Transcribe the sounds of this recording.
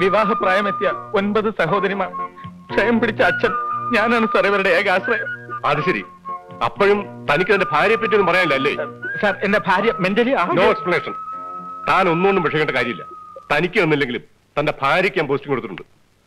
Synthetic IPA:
ʋiʋaːɦɐpraːjɐme̞t̪ːjɐo̞nbɐðɨsɐɦo̞ːd̪ɐɾjɐmaː | kʰɐjɐmpiɽit͡ɕːɐːt͡ɕːɐnɲaːnaːɳɨsɐrijʋɐɾuɽeeːɡaːsrɐjɐɐðɨɕɐɾḭ | ɐ̰pːoɻumt̪ɐnikʲːɨt̪ɐnde̞bʱaːɾjɐp̬ːɐt̬ːenːumpɐrɐjaːmilːɐːlːessaːre̞nde̞bʱaːɾjɐmendɐlijaːnoːeksplɐneːʂɐnt̪aːno̞nːuoɳːumpɐʂʰɐjkːeːɳːɖɐkaːɾjɐmilːɐ̰t̪ɐnikʲːɨunːilːe̞ŋɡilum | t̪ɐnde̞bʱaːɾjɐkʲːaːmpoːstiŋːpeɽut̪ːɨʈːuɳɖɨ

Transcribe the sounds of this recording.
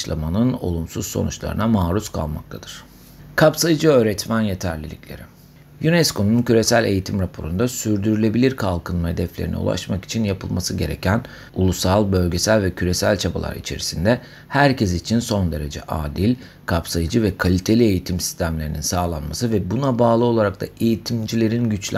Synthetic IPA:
ʃlˠamanɯno̞̰lˠumsuz̥so̞̰nut͡ʃlˠa̰ɾɯ̰namaːɾuskʰa̰lˠma̰k̚t̪ʰad̪̥ɯɾ̥ | kʰapsajɯd͡ʒɯø̞ːɾɛt̪mænje̞t̪ʰæɾlʲilʲḭcʲlʲe̞̰ɾi | junɛskʰo̞nuncyɾe̞sælʲe̞jit̪ʰimɾapʰo̞̰ɾund̪asyɾd̪yɾylʲe̞bilʲiɾkʰalˠkʰɯnɯnhe̞d̪ɛflʲeɾinḭṵlˠa̰ʃmaki̥t͡ʃʰinjapʰɯlˠmasɯɟe̞ɾe̞̰cʰæn | ulˠusalˠbø̞lʲɟe̞sælʲvɛcʰyɾe̞sælʲt͡ʃʰaba̰lˠa̰ɾḭt͡ʃʰe̞̰ɾisind̪ɛ | hæɾcʰesit͡ʃʰinso̞nd̪e̞ɾe̞d͡ʒɛ̰ʔaːd̪ilʲ | kʰapsajɯd͡ʒɯvɛkʰalʲit̪ʰe̞lʲie̞jit̪ʰimsi̥st̪ʰæmlʲe̞ɾininsaːlˠanmasɯvɛbunabaːlˠɯo̞lˠaɾak̚t̪aʔe̞jit̪ʰimd͡ʒilʲe̞ɾinɟyt͡ʃlʲ

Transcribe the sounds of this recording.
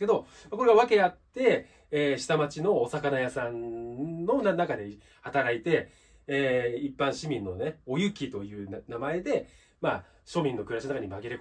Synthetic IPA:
ke̞d̪o | makoɾeaβake̞at̪ːe̞ː | ɕi̥t̪amat͡ɕino̞ːsakanajasãnno̞nnakad̪e | hat̪aɾait̪e̞ː | ipːãɰ̃ɕimʲĩnːo̞ne̞o̞jɯ̟kʲit̪o̞jɯ̟ːnamae̞d̪e̞ | ma | ɕo̞mʲĩnːo̞kɯɾaɕinonakaɲ̟imaɡʲiɾe̞k

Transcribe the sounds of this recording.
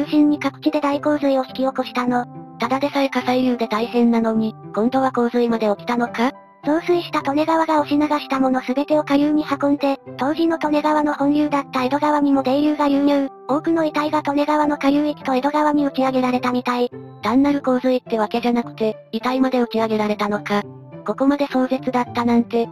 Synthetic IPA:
jɨːɕĩɲ̟ːikakɯ̟̥kʲid̪e̞d̪aiko̞ːzɨio̞çi̥kʲio̞ko̞ɕi̥t̪ano̞t̪ad̪ad̪e̞soɾekasaijɯ̟ːd̪e̞t̪aisẽ̞nːano̞ɲ̟ikõ̞nd̪o̞β̞ako̞ːzɨimad̪e̞o̞kʲi̥t̪ano̞ka | so̞ːsɨiɕi̥t̪at̪o̞ne̞ɡaβaɡaoɕinaɡaɕi̥t̪amo̞no̞sɨbe̞t̪e̞o̞kajɯ̟ːɲ̟ihakõ̞nd̪e̞t̪o̞ːʑino̞t̪o̞ne̞ɡaβano̞hõ̞jɯ̟ːd̪at̪ːaed̪o̞ɡaβam̟ʲimo̞d̪ejɯ̟ːɡajɯ̟ːjɯ̟ː | o̞ːkɯ̟no̞it̪aiɡat̪o̞ne̞ɡaβano̞kajɯːikʲi̥t̪o̞ed̪o̞ɡaβaɲ̟io̟kʲiaɡe̞ɾaɾe̞t̪amʲit̪aid̪̥ãnːaɾɯ̟ko̞ːzɨit̪ːe̞βake̞ʑanakɯ̟̥t̪e̞ | it̪aimad̪e̞o̟kʲiaɡe̞ɾaɾe̞t̪ano̞ka | ko̞ko̞mad̪e̞so̞ːze̞t͡sɨd̪at̪ːanãnt̪e̞

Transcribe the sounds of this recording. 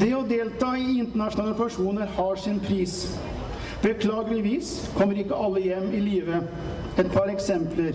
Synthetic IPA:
d̪̥ɛɔd̪eːlt̪ʰɑːɪɪnt̪əɳɑʂʊnɑlpɑʂuːnəɾhɑʂɪnpʰɾiːs | bəkʰlɑːɡəlɪʋiːs | kʰɔmːəɾɪkːəɑlːəjɛmːɪliːʋə | ɛt̪pʰɑɾɛksɛmpləɾ

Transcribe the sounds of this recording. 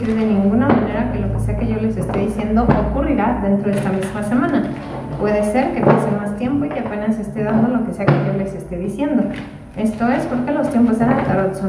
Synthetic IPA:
eðe̞nĩŋɡunamãne̞ɾake̞lo̞ke̞se̞ake̞ʝo̞le̞se̞st̪e̞ðisje̞nd̪o̞ʔokuriɾaðe̞nt̪ɾoðe̞st̪amizmase̞mãna | pwe̞ðe̞se̞ɾke̞pasemast̪je̞mpo̞ikeape̞nase̞st̪e̞ðand̪o̞lo̞ke̞se̞ake̞ʝo̞le̞sest̪e̞ðisje̞nd̪o̞ | e̞st̪o̞e̞spoɾke̞lo̞st̪je̞mposenat̪aɾaðoso

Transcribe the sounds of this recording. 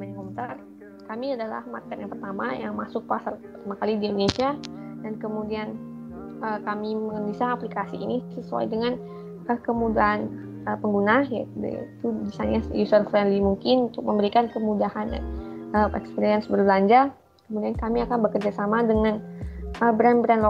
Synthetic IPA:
mnŋkɔmt̪ər | kamiadala̰hmarkɛt̪jaŋpərt̪ama̰ja̰ŋmasʊk̚pasarpərt̪amakalidiindonesiadankəmudian | əkamiməŋənisaaplikasiʔːnisəsua̰jdəŋan | ʔəkəmudaɦan | əpəŋɡunaja̰d̰it̪ubisaɲajusənfɾɛnlimuŋkɪnunt̪ʊk̚məmbəɾikankəmudahanja̰əɛ̰kspiɾiɛnsbərbəlaɲd͡ʒa | kəmudiankamiakanbəkərd͡ʒasamadəŋanʔəbɾɛnbɾɛnlo

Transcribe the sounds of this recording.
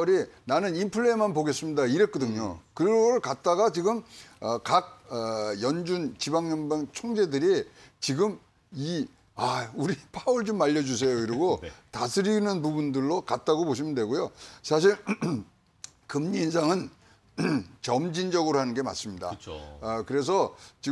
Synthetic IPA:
ɾinanɯnimpʰɯɭːemanpoɡe̞s͈ɯmɲidaiɾet̚k͈ʌdɯŋɲɲokɯɾʌɯɭkat̚t͈aɡat͡ɕiɡɯmʌkak̚jʌnd͡ʑunt͡ɕibaŋɲʌnbaŋt͡ɕʰoŋd͡ʑe̞dɯɾi | t͡ɕiɡɯm | i | auɾipʰauɭt͡ɕomːaʎːʌd͡ʑus̬ʰe̞jokɯɾiɡotasʰɯɾinɯnpubundɯɭːokat̚t͈aɡopoɕʰimɯndwe̞ɡojosʰaɕ̬ʰiɾ | kɯmɲiːns̬ʰaŋɯn | t͡ɕʌmd͡ʑind͡ʑʌɡɯɾohanɯnɡema̰s͈ɯmɲida̰kɯɾe̞s̬ʰʌt͡ɕi

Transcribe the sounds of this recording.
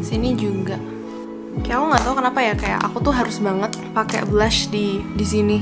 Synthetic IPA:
sinid͡ʒuɡaʔ | kajakuŋɡaʔt̪aukənapajakaja̰ʔa̰kut̪ʊɦaɾʊsbaŋət̪̚pakɛ̰blaʃdidis̬ini

